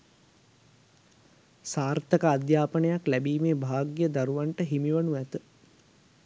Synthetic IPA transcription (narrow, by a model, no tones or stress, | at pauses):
saːrt̪əkəad̪jaːpənəjaklæbiːmeːbʱaːɡjəd̪aɾuʋaɳʈəɦimiʋənuæt̪ə